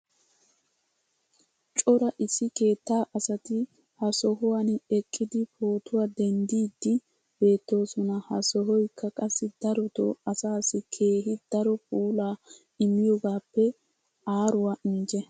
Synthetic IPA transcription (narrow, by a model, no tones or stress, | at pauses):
t͡ʃʼɔɾɐʔɪsːɪke̞ːt̪ːaːʔɐsɐt̪ɪ | hɐsɔɦʊwɐnɛkʼːɪd̪ɪpoːt̪ʊwad̪ɛnd̪iːd̪ːɪ | b̥e̞ːt̪ːo̞ːsɔnɐhɐsɔɦɔjkʰːɐkʼɐsːɪd̪ɐɾɔt̪o̰ɐsaːsɪkʰe̞ːɦɪd̪̥ɐɾɔpuːlaː | ɪmːɪjɔɡaːpːɛ | aːɾʊwɐʔɪnd͡ʒɛ